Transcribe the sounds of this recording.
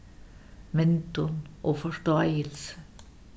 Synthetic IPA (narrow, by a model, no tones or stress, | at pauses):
mɛnt̪ʊnʔoːfɔʂt̪oæɪəlsə̥